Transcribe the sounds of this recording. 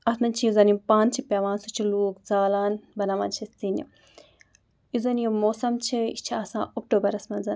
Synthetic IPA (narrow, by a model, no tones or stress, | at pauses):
ɐt̪mɐnt͡ʃʰijizɐnipãːnt͡ʃʰipʲɐʋãːnsut͡ʃʰiluːkzaːlaːnbɐnaːʋa̰ːnt͡ʃʰist̪inḭ | jizɐnjimoːsɐmt͡ʃʰiḭt͡ʃʰiɐsã̰ːok̚ʈoːbɐɾɐsmɐnzɐn